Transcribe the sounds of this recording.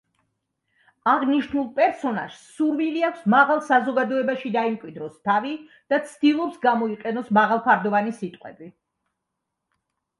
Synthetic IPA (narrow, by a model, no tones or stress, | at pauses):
aʁniʃnulˠpʼɛɾsɔna̰ʒ̥ssuɾmiliakʷʰsmaʁalˠsazɔɡad̪ɔɛbaʃid̪aimkʼwid̪ɾɔst̪ʰavi | d̪̥at̪sʰd̪̥ilˠɔpsɡamɔiqʼɛnɔsmaʁalˠpʰaɾd̪ɔvanisit̪ʼqʼwɛ̰bi